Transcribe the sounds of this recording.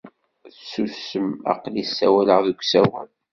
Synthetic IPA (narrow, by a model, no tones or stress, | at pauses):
θsusəmɑ̰qlisːæwæləʁðuɡʷsæwæ̰l